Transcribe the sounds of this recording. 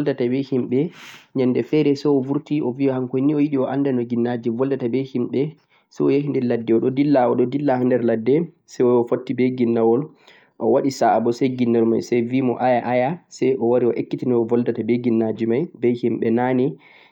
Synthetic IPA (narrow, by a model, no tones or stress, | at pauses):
ɔldatabɛhimɓɛɲandɛfɛɾɛsɛjɔvuɾtiʔɔviɔhaŋkojniɔjiɗiɔʔandɛnɔɡinːad͡ʒivɔldatabɛhimɓɛ | sɛjɔjahindɛladːɛɔɗɔdilːaɔɗɔdilːahandɛɾladːɛ | sɛjɔɔfotːibɛɡinːawɔl | ʔɔ̰waɗisabɔsɛjɡinːalma̰jsɛjvimɔ̰ʔajaʔajasɛjʔɔwaɾiɔʔekːitinɛɔvɔldatabɛɡinːad͡ʒimajbɛhimɓɛnani